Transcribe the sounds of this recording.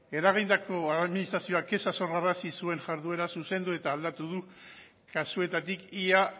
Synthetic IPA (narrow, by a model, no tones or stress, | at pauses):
e̞ɾaɣ̞ind̪ako̞aðminist̪ɾasio̞ake̞saso̞ɾɣaɾasisue̞nʝaɾðue̞ɾasuse̞nd̪ue̞t̪aːld̪at̪uð̞u | kasue̞t̪at̪ikia